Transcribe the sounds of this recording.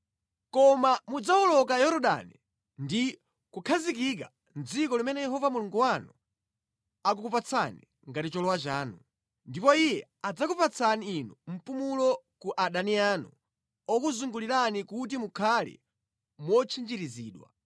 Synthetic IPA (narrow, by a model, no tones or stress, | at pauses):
kɔmamud͡zaɔlɔk̬ajɔɾɔɗa̰nḭ | ndi | kukʰazik̬ik̬a | nd͡zikɔlimɛnɛjɛɦɔvamuluŋɡuwanu | ak̬ukupat͡sʰani | ŋɡatit͡ʃɔlɔwat͡ʃaːnu | ndipɔijɛad͡zakupat͡sʰaniːnum̩pumulɔ | kuʔaɗanianṵ | ɔkuzuŋɡuliɾanikutimukʰalɛ̰ | mwɔt͡ʃʰind͡ʒiɾiziːɗwa̰